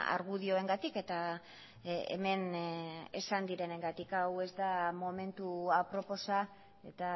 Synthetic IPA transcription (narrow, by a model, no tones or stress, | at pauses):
a̰ɾɣuð̞io̞e̞ŋɡat̪ike̞t̪a | ḛme̞n | e̞̰sand̪iɾe̞ne̞ŋɡat̪ikawe̞zd̪amo̞me̞nt̪uapɾo̞po̞sa | e̞t̪a